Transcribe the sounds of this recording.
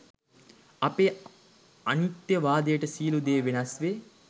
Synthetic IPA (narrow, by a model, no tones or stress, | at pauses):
ɐpe | ɐnit̪jəʋaːd̪ejəʈəsiːlud̪eːʋenɐsʋe